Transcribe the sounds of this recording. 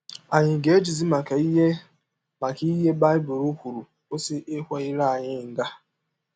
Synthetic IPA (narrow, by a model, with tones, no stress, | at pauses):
a˨ɲɪ˨ɡe˨˦e˦d͡ʒi˨zi˦ma˨ka˨i˦ɦe˦ | ma˨ki˦i˦ɦe˦ba˦ɪ˦bʊ˨ɾo˦kʷu˨ɾu˨ | o˦sɪ˦ʔe˦kʷe˦ɪ˦ɾa˦˨ɲɪ˦n̩˨da˦